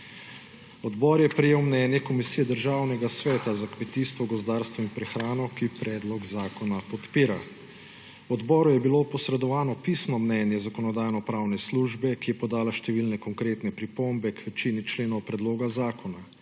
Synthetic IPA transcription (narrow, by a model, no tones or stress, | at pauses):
ɔd̪bɔɾjɛpɾɛjeːwmnɛnjɛkɔmisijɛd̪əɾʒaːwnɛɡasʋɛːt̪azakmɛt̪iːst̪ʋɔɡɔzd̪aːɾst̪ʋɔinpɾɛxɾaːnɔkipɾɛd̪lɔɡzaːkɔnapɔt̪piːɾa̰ | wɔd̪bɔːɾujɛbilopɔsɾɛd̪ɔʋaːnɔpisnɔmnɛnjɛzakɔnɔd̪aːjnɔpɾaːwnɛsluʒbɛkijɛpɔd̪aːlaʃt̪ɛʋilnɛkɔŋkɾeːt̪nɛpɾipombɛkʋɛt͡ʃinit͡ʃleːnɔwpɾɛd̪loːɡazaːkɔna